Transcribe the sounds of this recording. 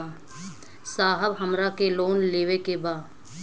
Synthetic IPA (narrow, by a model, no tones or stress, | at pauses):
saːɦəbɦɐmɾakeloːnleːʋekebaːd